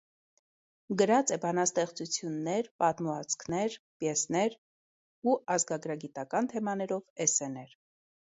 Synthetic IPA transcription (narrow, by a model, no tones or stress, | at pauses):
ɡəɾɑt͡sɛbɑnɑst̪ɛχt͡sut͡sʰjunːɛɾpɑt̪muɑt͡sʰkʰnɛɾ | pjɛsnɛɾ | uɑzɡɑɡɾɑɡit̪ɑkɑnt̪ʰɛmɑnɛɾɔvɛsɛnɛɾ